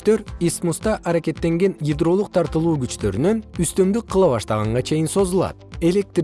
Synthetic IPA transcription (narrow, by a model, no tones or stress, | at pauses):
t̪ø̞ɾismust̪ɑʔɑɾake̞t̪ːe̞ŋɡe̞njʲid̪ɾo̞lˠuq̚t̪ʰɑɾt̪ɯlˠuːɡyt͡ʃt̪ø̞̰ɾynønyst̪ø̞md̪yk̚qʰːɯlˠɑβɑʃt̪ɑʁɑɴʁɑt͡ʃʰe̞jinso̞zulˠɑ̰t̪̚e̞lʲek̚t̪r